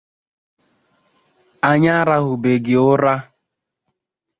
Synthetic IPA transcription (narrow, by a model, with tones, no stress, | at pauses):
a˨ɲa˦ɾa˦ɦʊ˨be˨ɡɪ˨ʊ˦ɾa˦